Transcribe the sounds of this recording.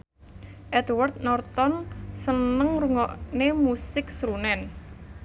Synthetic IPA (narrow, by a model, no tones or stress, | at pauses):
ʔɛt̪wart̪̚nɔrt̪ɔnsənəŋruŋɔʔnemusɪk̚sɾunɛn